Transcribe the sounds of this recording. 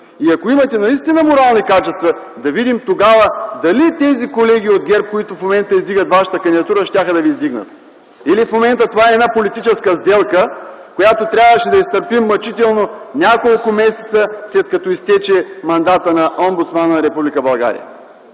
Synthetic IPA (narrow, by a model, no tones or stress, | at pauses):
iɐkoimɐt̪ɛnɐist̪inɐmoɾalˠnikat͡ʃɛst̪vɐ | d̪ɐvid̪imt̪oɡavəd̪ɐlit̪ɛzikolɛɡ̟ʲiod̪̚ɡʲɛɾp̚koit̪ofmomɛnt̪əizd̪iɡət̪vaʃə̥t̪əkɐnd̪id̪ɐt̪uɾəʃtʲaxəd̪ɐviːzd̪iɡnə̰t̪̚ | ilifmomɛnt̪ət̪ovaɛːdnapolit̪it͡ʃɛskəzd̪ɛlˠkəkojat̪ot̪ɾʲabvəʃɛd̪ɐist̪əɾpimːɐt͡ʃit̪ɛlˠnonʲakolˠkʊmɛsɛ̥t̪səslɛt̪kɐt̪ɔist̪ɛt͡ʃɛmɐnd̪at̪ənɐʔɔmbut̪smannɐɾɛpublikəbɐlˠɡa̰ɾḭjə̰